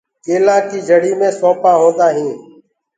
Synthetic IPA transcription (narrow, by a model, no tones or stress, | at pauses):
keːlãːkiːd͡ʒʱəɽiːmẽːsõːpãːɦõːnd̪aːɦĩː